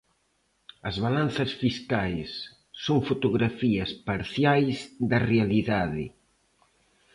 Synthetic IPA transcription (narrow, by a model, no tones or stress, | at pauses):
ɐzβalan̟θɐsfiskajsː | oŋfot̪uɣɾafiɐspaɾθjajzd̪ɐrealiðaðɪ̰